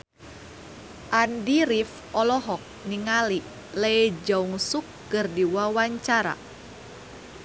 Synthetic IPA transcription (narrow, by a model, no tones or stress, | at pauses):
ʔandiɾif | ɔlɔɦɔk̚niŋali | lejd͡ʒauŋsukːɨrdiwawaɲt͡ʃaɾa̰